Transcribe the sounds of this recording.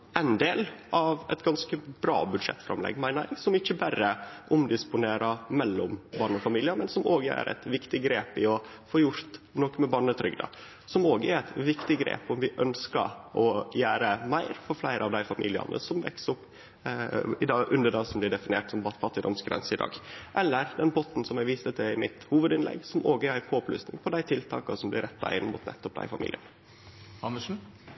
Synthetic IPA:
ʔɛnd̪eːlʔɑʋɛ̰t̪ɡɑnskəbɾɑ̰ːbʉd̪ʂɛ̰t̪ːfɾɑ̰mlɛ̰ɡːmæɪnæɡsɔmɪçəbærəʔʊmd̪ɪspʊneːɾɑmɛlːɔmbɑɳəɔfɑmiːlɪəmɛnsɔmoːɡəæ̰ɾʔɛ̰t̪ʋɪkt̪ɪɡɾeːpɪɔ | foːjʊɾt̪nɔːkmɛbɑɳət̪ʰɾʏɡd̪ɑ̰ | sɔmoːɡæɾɛt̪ʋɪkt̪ɪɡɾḛːpɔmʋɪʔœnskə̰ʔɔjæːɾəmæɪɾfɔɾflæɪɾəɑʋd̪æɪfɑmḭlɪɑ̰nə̰sɔmʋɛ̰ksɔpː | ɪd̪ɑʔʉnd̪əɖɑsɔmblɪɖɛfɪnɪeːʈsɔmbɑfɑt̪ːɪd̪ɔmsɡɾɛ̰nsəɪd̪ɑ̰ːɡʔɛlːəɾd̪ɛnbɔt̪n̩sɔmæɡʋiːsət̪ʰɛɪmɪt̪huːʋəd̪ɪnlɛ̰ɡsɔmoːɡæɾæɪpʰoːply̰ːsnɪ̰ŋpʰɔd̪æɪt̪ʰɪlt̪ʰɑ̰ːkɑsɔmblɪɾɛt̪ːɑ̰ɪnːmʊ̰t̪nʔɛ̰t̪ːɔp̚d̪æ̰ɪfɑmḭːlɪ̰ə̰nə | hɑnːəʂn̩

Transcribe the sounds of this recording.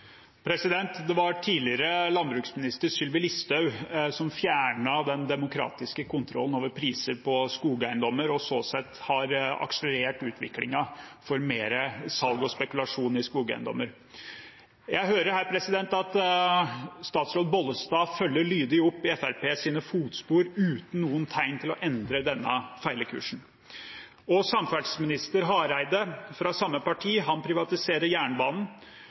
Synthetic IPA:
pʰɾɛsɪd̪ɛnt̪d̪ɛʋɑʈʰiːlɪəɾəlɑnbɾʉːksmɪnɪst̪əɾʂʏlʋɪlɪst̪ɑʉsɔmfjæːɳɑd̪ɛnd̪ɛmʊkʰɾɑ̰ːt̪ɪskəkʊnt̪ʰɾɔ̰lːn̩oːʋəɾpʰɾiːsəɾpʰɔskuːɡəæɪnd̪ɔmːəɾɔsoːsɛt̪ːhɑɾɑ̰kʂələɾeːʈʉːt̪ʰʋɪ̰klɪ̰ŋɑfɔɾmeːɾəsɑlɡɔspɛkʉlɑʂuːn̩ɪskuːɡæ̰ɪnd̪ɔ̰mːəɾ | jæɪɦøːɾəɾhæːɾpʰɾɛsɪd̪ɛnt̪ɑt̪ | st̪ɑːt̪sɾoːd̪̚bɔləst̪ɑːfœlːəɭyːd̪ɪʊpːɪɛfæɾpeːsiːnəfuːt̪spuːɾʉːt̪n̩nuːənt̪ʰæɪnt̪ʰɪlɔʔɛnd̪ɾəd̪ɛnːə̰fæɪləkʰʉ̰ːʂn̩ | ɔsɑmfæɖsmɪnɪst̪əɾɦɑɾæɪd̪əfɾɑsɑmːəpɑʈʰiːɦɑnpʰɾɪʋɑt̪ɪseːɾəɾjæːɳbɑːnn̩

